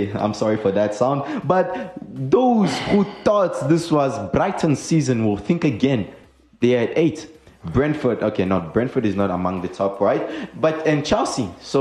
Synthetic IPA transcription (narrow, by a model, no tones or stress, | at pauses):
ã̰ɪ̃msɔɹifə˞ðɨtsãʊ̃ndbʌt̚ðoz̥huθɔtðɪswʌzbɹaɪtʰn̩sizə̃nwɪlθɪ̃ŋkɨɡɛ̃n | ðeɪɨdeɪtbɹɛ̃nfə˞dokʰeɪnɔbɹɛ̃nfə˞ɾɨznəɾəmʌ̃ŋðɨtʰɔpʰɹaɪt̚b̥ʌtɨ̃nt͡ʃʰɛlˠsiso